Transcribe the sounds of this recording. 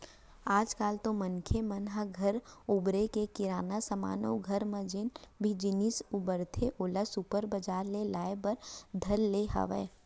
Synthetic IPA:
aːd͡ʒkaːlt̪omənkʰemənɦəɡʱɐɾʊbɾekekɪɾaːnasəma̰ːno̰ɡʱɐɾmə̃d͡ʒɪnbʱid͡ʒɪnisubəɾt̪ʰeʔoːlasupəɾbəd͡ʒaːɾlelaːebəɾd̪ʱɐlːeɦə̰ʋɛ̰ː

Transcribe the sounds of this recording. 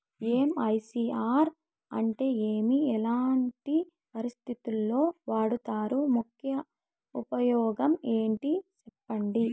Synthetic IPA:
eːmɐjsiːaːɾ | ɐ̰ɳʈe̞ːeːmiɛlaːɳʈi | pɐɾist̪ʰit̪ulːo̞ːʋaːɽut̪aːɾumukʰjɐ | upɐjɔːɡɐme̞ːɳʈit͡ʃɛpːɐɳɖi

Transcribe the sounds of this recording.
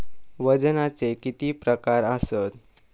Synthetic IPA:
ʋəd͡znat͡sekit̪iːpɾəkaɾəsət̪

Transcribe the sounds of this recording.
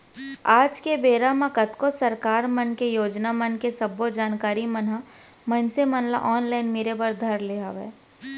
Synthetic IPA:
aːd͡ʒkebeːɾamãkɐt̪kosɐɾkaːɾmənkejoːd͡ʒnamənkesɐbːod͡ʒaːnkaːɾimənɦa | mənsemɐnla̰ʔɔːnlaːɪnmeːɾebəɾd̪ʱɐɾleːaʋɛ̰ː

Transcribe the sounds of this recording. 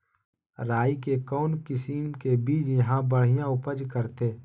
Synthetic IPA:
ɾaːikekɔːnkɪsimkebiːd͡ʒjɐɦãbəɽ̤ijãʊpəd͡ʒkəɾt̪ʰeː

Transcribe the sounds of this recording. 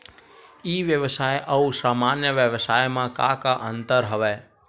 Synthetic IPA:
iʋjəʋsajʔəũsamanjəʋjəʋsajmãka̰kaʔənt̪əɾɦəʋe

